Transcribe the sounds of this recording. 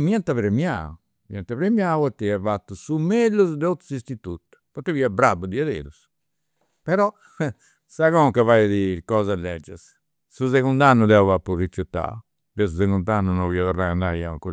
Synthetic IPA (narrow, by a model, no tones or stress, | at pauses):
miɛnt̪apɾemja̰u | miɛnt̪apɾemjaɔt̪ːiɛvat̪ːusumelːusd̪ot̪sist̪it̪ut̪ː | pɔt̪ːiviɛbɾabud̪iaðḛːɾus | pɛɾɔ | sakɔŋkavajd̪ikɔzalɛd͡ʒːas | suzɛkund̪anːud̪ɛuvapːurit͡ʃːut̪ːa̰ | bɛsusɛkunt̪anːunɔviaɔɾnaand̪aiaku